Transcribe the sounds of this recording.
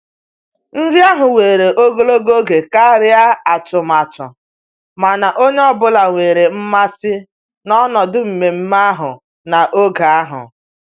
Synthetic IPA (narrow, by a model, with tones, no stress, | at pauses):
n̩˦dɪ˦a˦ɦʊ˨weː˨ɾe˨ʔo˦ɡo˦lo˦ɡo˦ɡe˨ka˦ɾɪ˦a˦a˨t͡ʃʊ˨ma˨t͡ʃʊ̰˨ | ma˨na˨ʔo˦ɲe˦ɔ˦bʊ˦la˨ŋʷeː˨ɾe˨m̩˦ma˦sɪ˦ | nɔ˦nɔ˨dʊ˦m̩˨me˨m̩˦ma˦ɦʊ̰˨ | na˨ʔo˦ɡa˨a˦ɦʊ̰˨